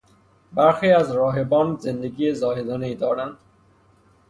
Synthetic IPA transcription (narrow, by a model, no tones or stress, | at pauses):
baɾxiːæzɾɒːɦebɒːnzend̪eɡiːezɒːɦed̪ɒːneiːd̪ɒːɾænd̪